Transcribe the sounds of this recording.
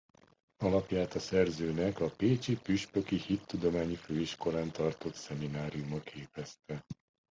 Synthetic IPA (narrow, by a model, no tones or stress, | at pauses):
ɒlɒpjaːt̪ɒsɛrzøːnɛkɒpeːt͡ʃipyʃpø̞kihit̪ːud̪o̞maːɲiføːiʃkoɾaːnt̪ɒrt̪o̞t̪sɛminaːɾijumɒkʰeːpɛst̪ɛ